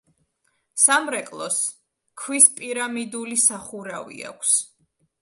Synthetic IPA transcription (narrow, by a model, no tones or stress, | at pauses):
samɾɛkʼlˠɔs | kʰwispʼiɾamid̪ulisaχuɾavḭa̰kʷʰs